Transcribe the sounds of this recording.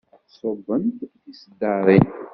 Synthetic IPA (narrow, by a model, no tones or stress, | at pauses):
sovənt̪ | isd̪aɾˤin